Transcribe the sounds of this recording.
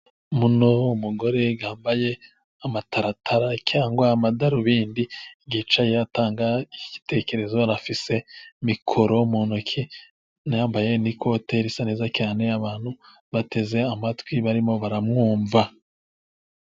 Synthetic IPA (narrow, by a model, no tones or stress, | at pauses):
muno̞umuɡo̞ɾe̞ɡaːmbaje̞ | amatʰaɾatʰaɾacʰaːŋɡwaːmadaɾuβiːndiɡit͡ʃajataːŋɡaici̥te̞ke̞ɾe̞zo̞ɾafise̞mikʰo̞ɾomuːnukʰi | najaːmbaje̞nikʰo̞te̞ɾisane̞ːzat͡ʃaːne̞aβaːn̥hu | βate̞ze̞amatkwiβaɾimo̞βaɾamŋuːɱva